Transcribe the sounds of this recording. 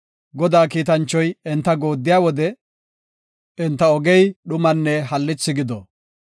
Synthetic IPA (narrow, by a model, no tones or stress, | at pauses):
ɡɔd̪aːkiːt̪ɐnt͡ʃːɔjɛnt̪ːɐɡo̞ːd̪ːɪjaːwɔd̪ɛ | ɛnt̪ːɐɔɡɛjɗʊmɐnːɛhɐlːɪt͡sːɪɡɪd̪ɔ